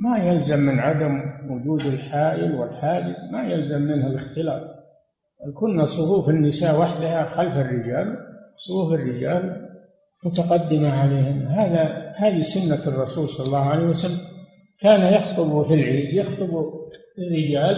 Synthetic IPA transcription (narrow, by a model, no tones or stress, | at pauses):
majalzamːɪnʕad̪amwʊd͡ʒuːd̪ɪlħaːʔɪlwɪlħaːd͡ʒɪzmajalzamːɪnhalɪxt̪ɪlɑ̰ːt̪ˤ | balkʊnːasˤʊfuːfɪnːɪsaːʔwaħd̪ahaxalfɪrːɪd͡ʒaːlsˤʊfuːfɪrːɪd͡ʒaːl | mʊt̪aqɑd̪ːɪmaʕaleːhɪmhaːðahaːðisʊnːarˤːɑsuːlsˤɑlɑlˤːɑːhʕalewasalːam | kaːnajɑxt̪ˤɨbufilʕiːd̪jɑxt̪ˤɨbu | ɪrːɪd͡ʒaːl